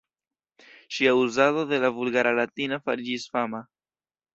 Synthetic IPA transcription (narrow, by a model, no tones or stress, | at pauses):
ʃiauzaðoðe̞lavulɡaɾalatinafa̰ɾid͡ʒisfama